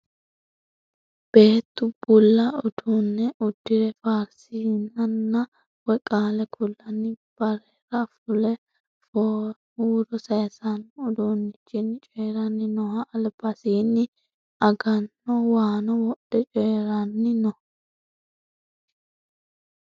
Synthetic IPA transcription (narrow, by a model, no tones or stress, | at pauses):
b̥e̞ːt̪ːʊbʊlːɐʊd̪̥unːɛʔʊd̪̥ːɪɾɛfaːɾsinɐnːɐ | wɔkʼaːlɛkʰʊlːɐnːɪb̥ɐɾɛːɾɐfʊlɛ | fɔ | uːɾɔsɐjsanʊd̪onːɪt͡ʃːɪnt͡ʃʼɛːɾɐnːɪnɔhɐʔɐlbɐsiːnːɪ | ɐɡɐnːɔwaːnɔwɔɗɛt͡ʃʼɛːɾɐnːɪnɔ